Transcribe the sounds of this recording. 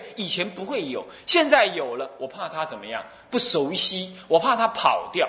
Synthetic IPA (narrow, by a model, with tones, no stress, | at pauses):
i˨˩t͡ɕʰjɛ˧˥npu˧˦xwe˥˩ɪjo˨˩˦ʊ | ɕjɛ˥˧nt͡sa˥˩ɪjo˨˩ʊlə˦wɔ˨˩pʰa˥˩t̪ʰa˦t͡sə˨˩nmə˦jɑ̰˥˩ŋ | pu˥˩ʂo˧˥ʊɕi˦wɔ˨˩pʰa˥˧t̪ʰa˥pʰɑ˨˩ʊt̪jɑ˥˩ʊ